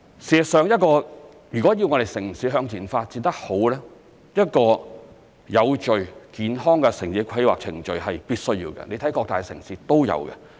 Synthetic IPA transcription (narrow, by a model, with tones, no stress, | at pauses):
siː˨sœː˨˧ŋjɐ˥t̚kɔː˧ | jyː˨˩kɔː˨˥ji˧wŋɔː˨˧ɾe˨jsɪ˨˩ŋsiː˨˧ɦœː˨˧ŋt͡siː˨˩nfaː˧t̚t͡si˧nt̪ɐ˥k̚ho˨˥wlɛː˥ | jɐ˥t̚kɔː˧ | jɐ˨˧wt͡ʃɵ˨ɥkiː˨nhɔː˥ŋkɛ˧sɪ˨˩ŋsiː˨˥kʰɐ˧jwa̰ː˨k̚t͡sʰɪ˨˩ŋt͡ʃɵ˨ɥɦɐ˨jpiː˥t̚sɵ˥ɥjiː˧wɡɛ̰˧ne˨˧jt̪ʰɐ˨˥jkɔː˧k̚t̪aː˨jsɪ̰˨˩ŋsiː˧˥t̪o˥wjɐ̰˨˧wkɛ̰˧